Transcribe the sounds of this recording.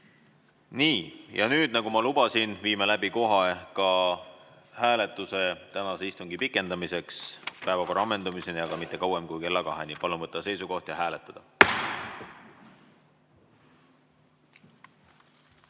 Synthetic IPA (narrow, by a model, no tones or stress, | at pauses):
niːjɑ̰nyːd̪̥̚nɑɡumɑlub̥ɑsinviːmelæbiko̞ɦɑkɑ | hæːle̞t̪ːˑuse̞t̪ænɑseist̪uŋɡipikːˑe̞nd̪ɑmise̞kspæe̞vɑko̞rɑɑmːe̞nd̪umisenijɑɡ̥ɑmit̪ˑːe̞kɑwemkujke̞lːɑkɑɦenipɑlunvɤt̪ˑːɑse̞jsuko̞ht̪jɑɦæːle̞t̪ːˑɑd̪̥ɑ